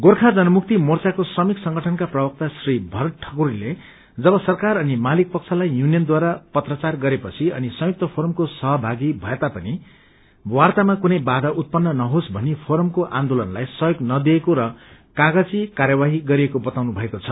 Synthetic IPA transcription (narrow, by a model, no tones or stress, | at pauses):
ɡorkʰad͡zʌnʌmuk̚t̪imort͡sakosrʌmiksʌŋɡʌʈʰʌnkaprʌbʌk̚t̪asribʱʌɾʈʰʌ̥kuɾile | d͡zʌbʌsʌrkarʌnimalik̚pʌk̚t͡sʰʌlajjunijʌnd̪waɾapʌt̪rʌt͡sarɡʌɾepʌt͡sʰiʌ̰nisʌ̃juk̚t̪ʌpʰoɾʌmkosʌɦʌbʱaɡibʱʌet̪apʌni | wart̪amakunʌjbad̪ʱʌʔut̪̚pʌnːʌnʌɦosbʱʌnipʰoɾʌmkoʔãnd̪olʌnlajsʌjoɡnʌd̪iekoɾʌ | kaɡʌt͡sikarjʌbaɦiɡʌɾiekobʌt̪awnubʱʌekot͡sʰʌ